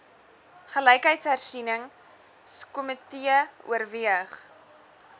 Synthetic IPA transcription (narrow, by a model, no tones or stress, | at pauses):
χələjkɦəjtsɦærsinəŋ | skomətiəṵərviəχ